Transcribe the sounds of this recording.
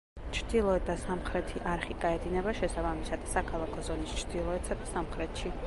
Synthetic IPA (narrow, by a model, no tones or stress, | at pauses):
t͡ʃʰɾd̪ilˠɔɛt̪̚d̪asamχɾɛt̪ʰiʔaɾχikʼaɛd̪inɛbaʃɛsabamisad̪̥sakʰalˠakʰɔzɔnist͡ʃʰɾd̪ilˠɔɛt̪sad̪asamχɾɛt̪ʃi